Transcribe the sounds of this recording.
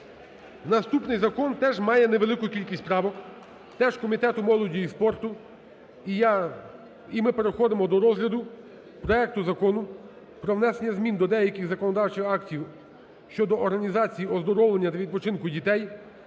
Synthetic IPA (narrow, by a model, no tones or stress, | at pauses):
nɐst̪upnɪjzɐkɔnt̪ɛʒmɑjɛneʋelˠɪkʊkʲilʲkʲisʲt̪ʲpɾɑʋɔk | t̪ɛʒ̥kɔmʲit̪ɛt̪ʊmɔlˠɔdʲijispɔrt̪ʊ | imɪpeɾexɔd̪emɔd̪ɔɾɔzɦlʲɐd̪ʊ | pɾɔɛk̚t̪ʊzɐkɔnʊ | pɾɔʋnɛsenʲːɐzmʲind̪ɔd̪ɛjɐkʲɪɣzɐkɔnɔd̪ɑwt͡ʃɪxɑktʲiw | ʃt͡ʃɔd̪ɔːɾɦɐnʲizɑt͡sʲijiɔzd̪ɔɾɔwlˠenʲːɐt̪ɐʋʲid̪̚pɔt͡ʃɪnkʊdʲit̪ɛj